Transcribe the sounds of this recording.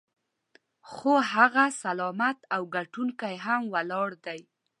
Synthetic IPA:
xoɦaɣasalɑmat̪awɡaʈuŋkajɦamwalɑɽd̪aj

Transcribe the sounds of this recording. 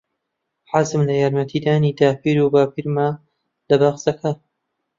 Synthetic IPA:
ħazɨmlɐjaːɾmɐt̪ʰiːd̪aːniːd̪aːpiːɾubaːpiːɾma | lɐbaːxsɐkʰɐ

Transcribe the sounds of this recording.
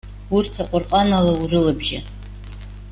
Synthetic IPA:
urtʰaqʷʼʊrqʼanalaurɨlabʒa̰

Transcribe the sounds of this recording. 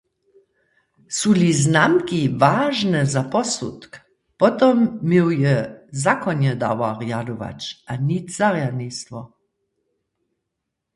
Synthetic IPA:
suliznamkivaːʒnɛzapɔsṵt̪k | pɔt̪ɔmːiwjɛzakɔnɛd̪a̰waʁjad̪uʋa̰t͡ʃanit̪z̥aʁjanist̪vɔ

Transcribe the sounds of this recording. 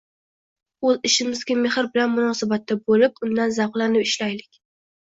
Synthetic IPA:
ɵzɪʃɪmɪzɡʲame̞hɪɾbɪlanmʊnɒsabat̪ːabolɪp̚ʊnd̪anzaqlˠanɪpɪʃlajlɪkʲ

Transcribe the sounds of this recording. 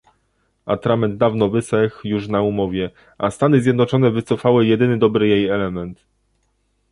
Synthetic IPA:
a̰t̪ɾamɛnd̪̚d̪avnɔvɘsɛxjuʂnaumɔvʲjɛ | ʔast̪anɘzʲjɛd̪nɔt͡ʂɔnɛvɘt̪sɔfawɘjɛd̪ɘnɘd̪ɔbɾɘjejɛlɛmɛnt̪

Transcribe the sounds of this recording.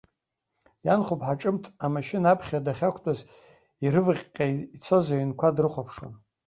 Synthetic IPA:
janχʷupʰʼħaʈ͡ʂʼɨmtʰamaʃɪnaapʰχʲadaχʲakʷʰtʼaz | iɾɨvɨχʲʼqʲʼait͡sʰo̞zaɥinkʷʰadrɨχʷapʰʂwa̰n

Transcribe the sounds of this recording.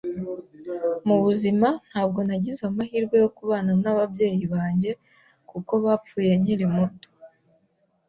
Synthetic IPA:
muβuziman̥haːb̚ɡo̞naɟizamahiːɾɡwe̞jo̞kuβaːnanaβabje̞ːjiβaːɲɟe̞ | kuko̞βaːp͡fuːje̞ɲiɾimuto̥

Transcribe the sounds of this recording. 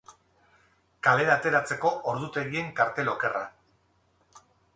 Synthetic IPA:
kale̞ɾaːt̪e̞ɾat͡se̞ko̞ʔoɾðut̪e̞ɣie̞ŋkaɾt̪e̞lo̞ke̞ra̰

